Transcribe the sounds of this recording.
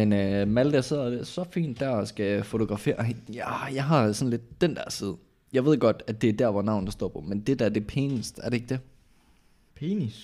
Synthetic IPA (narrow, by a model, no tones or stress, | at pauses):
enmæld̥æɐse̝ð̰ˠd̥esɒ̽fḭːnd̥ːæɐsɡ̥æfot͡sʰo̝ɡ̥ʁɑ̈fe̝̰ːɐejæjɑ̈ɪɦɑ̈sɒ̽nle̝d̥ːend̥æɐ̰siːð̞̩ˠə | jɑ̈ɪʋe̝ð̞̰ˠɡ̥ɒ̽d̥æd̥e̝æd̥æɐ̰ʋɒnɑ̈ʊ̰n̩d̥ɑsd̥ɔ̰ːpʰɒ̽mend̥e̝d̥æɐd̥e̝pʰe̝ːnəsd̥æɐɾee̝ɡ̥̚d̥e̝ | pʰenis